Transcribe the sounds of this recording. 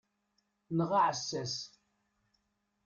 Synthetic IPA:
nəʁaʕəsːæs

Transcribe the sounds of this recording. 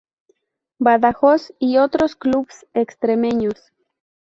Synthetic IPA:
baðaxosiot̪ɾoskluβsekst̪ɾemẽɲos

